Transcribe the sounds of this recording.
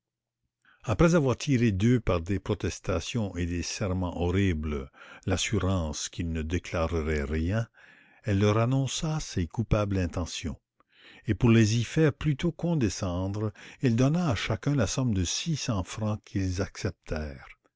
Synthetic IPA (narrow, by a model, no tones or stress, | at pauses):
apɾɛzavwaʁt̪ʰiʁed̪øpaʁd̪epɾɔt̪ɛst̪asjɔ̃ʔed̪esɛʁmɑ̃ʔɔʁibləlasyʁɑ̃ːskilnəd̪eklaʁəʁɛʁjɛ̃ | ɛlːœʁanɔ̃sasekupablɛ̃t̪ɑ̃sjɔ̰̃ | epuʁlezifɛːʁplyt̪okɔ̃d̪esɑ̃ːd̪ʁild̪ɔnaːʃakœ̃lasɔmd̪əsisɑ̃fʁɑ̃kʰilzaksɛp̚t̪ʰɛːʁ